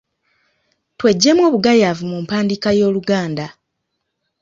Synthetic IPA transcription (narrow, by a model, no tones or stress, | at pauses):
twe̞ɟːe̞mwo̞ːβuɡajaːvumumpaːndikajo̞ːluɡaːnda